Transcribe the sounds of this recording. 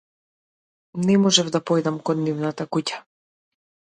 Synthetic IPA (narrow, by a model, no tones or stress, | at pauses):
nɛmɔʒɛvd̪apɔjd̪amkɔnːivnat̪akucḁ